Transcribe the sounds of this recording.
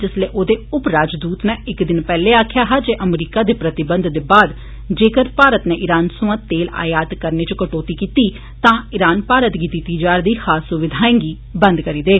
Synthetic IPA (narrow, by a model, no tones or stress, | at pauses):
d͡ʒɪsleːʔoːd̪eːʊpɾaːd͡ʒd̪uːt̪nẽːɪkd̪ɪnpɛːleːaːkʰjaːɦaːd͡ʒeːʔəmɾiːkaːd̪eːpɾət̪ɪbənd̪d̪eːbaːd̪ | d͡ʒeːkəɾpaːɾət̪nẽːʔɪɾaːnsʊʋãːt̪eːla̰ːjaːd̪kəɾneːt͡ʃkəʈoːt̪iːkiːt̪iː | t̪ãːɪɾaːnpaːɾət̪ɡiːt̪iːt̪iːd͡ʒaːɾd̪iːhaːsʊʋɪd̪ʱaːẽːŋɡiː | bə̃nd̪kəɾiːd̪eː